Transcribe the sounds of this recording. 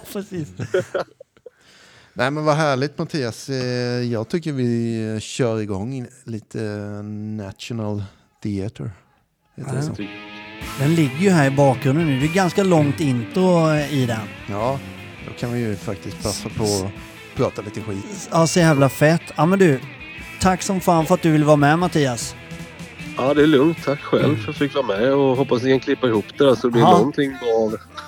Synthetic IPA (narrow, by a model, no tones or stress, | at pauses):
pʰɾɛsiːs | nʔæɪmɛnvaɦæːɭɪɡt̪mat̪ʰiːasjɑːɡt̪ʰʏkːəɾvɪɕœːɾɪɡɔŋːɪliːt̪ʰənæt̪ʃʊnəl | d̪̥ɪat̪ʰə̰ɾ | heːt̪dɛsɔ̰ | d̪ɛnlɪɡːəjɵɦæːɾɪbɑːkɾɵnd̪ənʉːd̪ɛjɡanskalɔŋt̪ɪnt̪ʊɪd̪ɛn | jɑː | d̪ɔ̰kʰanvɪjɵfak̚t̪ɪst̪̚pʰasːapʰɔ | pʰɾɑːt̪aliːt̪əɧḭːɑːsɔjæːvlafɛt̪ːɑmɛnd̪ɵʉ | t̪ʰakːsɔmfaːnfœɾat̪̚d̪ɵvɪlːəvɑːɾamɛmat̪ʰiːas | ɑːd̪ɛːlɵŋt̪ʰːakːɧɛ̰lːvfəɾat̪fɪkːvɑːɾamɛɔɦɔpːasd̪ɪkʰankʰlɪpːaɪhuːpd̪̥æɾsɔd̪ɛblɪnɔnt̪ʰɪŋːbɑːv